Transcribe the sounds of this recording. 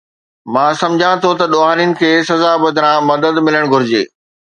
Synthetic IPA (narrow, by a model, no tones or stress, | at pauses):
mãːsɐ̃md͡ʑʱãt̪ʰot̪ɐɗoːɦaːniənɪ̆kʰeːsɐzabɐd̪ʱɪɾãmɐd̪əd̪mɪləɽ̃ɡʱʊɾɪd͡ʑḛː